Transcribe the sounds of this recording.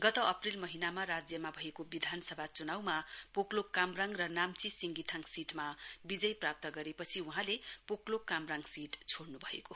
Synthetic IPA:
ɡʌt̪ʌʌprilmʌɦinamarad͡zjʌmabʱʌekobid̪ʱanʌsʌbʱat͡sunawmapoklokːamraŋɡrʌnamt͡sisiŋɡit̪ʰaŋsiʈmabid͡zʌjprap̚t̪ʌɡʌɾepʌt͡sʰiuɦãlepoklokːamraŋɡsiʈt͡sʰoɽnubʱʌeko

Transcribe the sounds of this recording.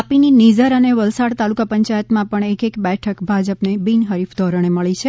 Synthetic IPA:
apininid͡ʒəɾəneʋəlsaɽt̪alukapəɲt͡ʃajət̪mãpəɳekekbɛʈʰəkbʱad͡ʒəpnebinɦəɾifd̪ʱɔɾəɳ̃eməɭit͡ʃʰe

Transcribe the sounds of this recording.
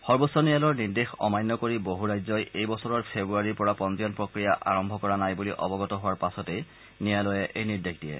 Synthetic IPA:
xɔɹbosːɔnijalɔɹniɹdexɔ̰majnːɔkoɹiboɦuɹajzɔjejbɔsɔɹɔɹpʰebɹuaɹiɹpɔɹapɔnzijɔnpɹokɹijaʔa̰ɹɔmbʱɔkɔɹanajbuliʔɔ̰bɔɡɔtɔɦʊwaɹpasɔtej | nijalɔjɛʔejniɹdexdijɛ̰

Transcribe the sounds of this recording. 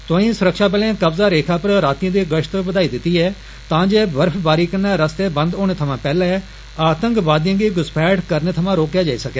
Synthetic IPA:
t̪õːĩːsʊɾəkʃaːpəlẽːkəbzaːɾeːkʰaːpəɾɾaːt̪iə̃ːd̪iːɡəʃt̪bəd̪aːiːd̪ɪt̪ːiːɛː | t̪ãːd͡ʒeːbəɾpʰbaːɾiːkənaːɾəst̪eːbə̃nd̪oːɽ̃eːt̪ʰəmãːpɛːlaːɛː | aːt̪əŋkbaːd̪jãːɡiːɡʊspʰɛːʈkəɾneːt̪ʰəmãːɾoːkjaːd͡ʒaːiːsəkjaː

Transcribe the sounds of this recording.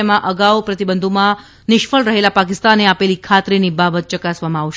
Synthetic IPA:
mãʔəɡawpɾət̪ibənd̪ʱomã | nɪʃfəlɾəɦelapakɪst̪aneapelikʰat̪ɾinibabət̪̚t͡ʃəkasʋamãaʋʃ

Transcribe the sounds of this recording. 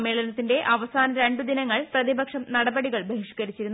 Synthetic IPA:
mːe̞ːɭɐnɐt̪ːinde̞ʔɐʋɐsaːnɐɾe̞ɳɖud̪inɐŋːɐɭprɐðibɐkʂɐmnɐɽɐbɐɽiɣɐɭbeɦiʂkɐɾit͡ɕːiɾunː

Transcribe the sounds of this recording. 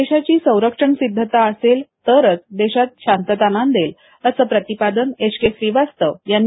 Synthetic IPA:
eɕat͡ɕiːsə̃w̃ɾəkʂəɳsid̪ʱːət̪aəselt̪əɾət͡sd̪eɕat̪̚ɕant̪ət̪anand̪el | əsəpɾət̪ipad̪əneʂkesɾiʋast̪əʋjanː

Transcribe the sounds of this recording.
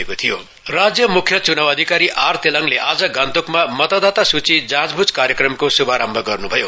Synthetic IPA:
ekot̪ʰijo | rad͡zjʌmukʰːjʌt͡sunawʌd̪ʱikaɾiʔart̪elʌŋleʔad͡zʌɡant̪ukmamʌt̪ad̪at̪asut͡sid͡zãd͡zbʱud͡zkaɾjʌkrʌmkosubʱaɾambʱʌɡʌrnubʱʌjo

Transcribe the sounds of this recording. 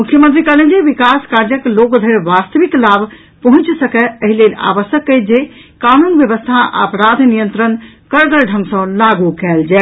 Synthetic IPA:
mukʰjəmənt̪̬ɾikəlend͡ʒeʋikaskaɾd͡ʒəklokd̪ʱəɾʋast̪əʋiklabʱ | pəɦũt͡ʃsəkɛəɦilela̰ʋəsjəkːəɪt̪̚d͡ʒekanunʋjəβəst̪ʰaə̰pɾad̪ʱnijənt̪ɾənkəɾɡəlɖʱə̃ŋɡsɔ̃laɡukɛld͡ʒɛ

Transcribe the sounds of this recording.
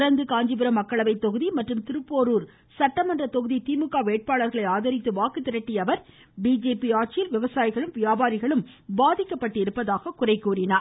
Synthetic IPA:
ɾɐnd̪ɯkaːɲd͡ʒɯbɪɾɐmɐkːɐɭɐʋɐɪt̪ːɔɣɯðimɐʈrɯmt̪ɪɾɯpːoːɾuːɾ | sɐʈːɐmɐndrɐt̪ɔɣɯðit̪iːmɯkːaːʋeːʈ̚paːɭɐɾɣɐɭɐɪaːðɐɾɪt̪ːɯʋaːkɯt̪ːɪɾɐʈːijɐʋɐɾ | biːd͡ʒeːpiaːʈ̚t͡ʃɪjɪlʋɪʋɐsaːjɪɣɐɭɯmʋɪjaːbaːɾɪɣɐɭɯmbaːðɪkːɐpːɐʈːɯɪɾɯpːɐðaːɣɐkʊrɐɪkːuːrɪnaː

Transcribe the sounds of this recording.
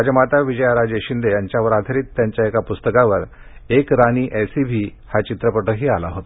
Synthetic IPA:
ad͡ʑəmat̪aʋid͡ʑəjaɾad͡ʑeɕind̪ejaɲt͡ɕjaʋəɾad̪ʱəɾiːt̪ːjaɲt͡ɕjaekapust̪əkaʋəɾ | ekɾaniːʔɛsibʱiː | hat͡ɕit̪ɾəpəʈʰəɦiːalaɦot̪a

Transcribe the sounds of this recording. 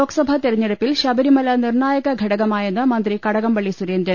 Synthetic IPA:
o̞ːɡɐ̥sɐbʱɐt̪iɾɐɲːeɽɐpːilɕɐbɐɾimɐlɐnirɳaːjɐɣɐɡʱɐɽɐɣɐmaːjenːɨmɐnd̪rikɐɽɐɣɐmʋɐɭːisuɾeːnd̪ɾɐn

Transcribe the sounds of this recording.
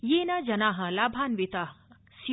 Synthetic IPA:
jeːnad͡ʒɐnaːɦɐlaːbʱaːnʋit̪aːɦ | si

